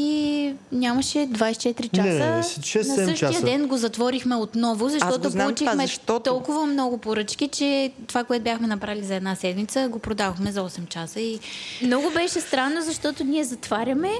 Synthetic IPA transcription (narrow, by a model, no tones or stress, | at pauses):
inʲamɐʃɛd̪vajst͡ʃɛt̪ɾit͡ʃaɛsəʃɛsnɐssəʃiɐdd̪ɛnɡozɐt̪vɔɾixmɛot̪nɔvʊzɐʃt̪ɔt̪opolut͡ʃimɛt̪t̪ɔlˠkʊvɐmnɔɡʊpoɾɤt͡ʃkit͡ʃɛt̪ovakoɛt̪ʊbʲjaxmɛnɐpɾalizɐɛd̪nasɛd̪mit̪səɡopɾod̪avoxmɛzɐɔsɛmt͡ʃasəimnɔɡʊbɛʃɛst̪ɾanːozɐʃt̪ɔt̪ʊnʲiɛzɐt̪vaɾʲɐmɛ